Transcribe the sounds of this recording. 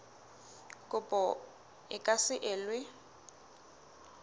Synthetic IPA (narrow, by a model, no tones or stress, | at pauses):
kʼʊpʼɔ | ɪkʼasɪʔɪːlwɪ